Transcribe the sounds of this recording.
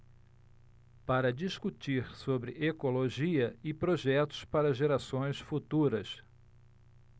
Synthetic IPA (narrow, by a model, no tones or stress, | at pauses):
paɾɐd͡ʒiskut͡ʃiɾsobɾɪʔekoloʒiɐɪpɾoʒɛt̪ʊ̥spaɾɐʒeɾasõj̃sfut̪uɾɐs